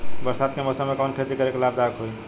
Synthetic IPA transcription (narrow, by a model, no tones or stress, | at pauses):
bəɾsad̪keməsəmekankʰet̪ikəɾekelab̚d̪akʰɦoj